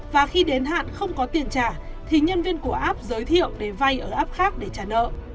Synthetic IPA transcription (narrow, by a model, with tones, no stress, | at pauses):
vaː˨˩xi˧ɗe˨˦nɦa̰ː˧˨nxə˧wŋ͡mkɔ˨˦t̪i˧˩ənt͡ɕaː˧˩t̪ʰi˨˩ɲə˧nvi˧ənku˧˩əʔaː˦˥p̚zəː˨˦jt̪ʰḭ˧˨əwɗe˧˩va˧jʔəː˧˩ʔaː˦˥p̚xaː˦˥k̚ɗe˧˩t͡ɕaː˧˩nə̰ː˧˨ʔ